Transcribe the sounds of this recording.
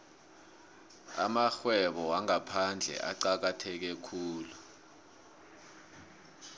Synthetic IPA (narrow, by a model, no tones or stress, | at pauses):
a̰maxwɛɓɔwaŋapʰand͡ɮʱɛ̰ʔa̰ǀak̬atʰɛk̬ɛkʰuːlu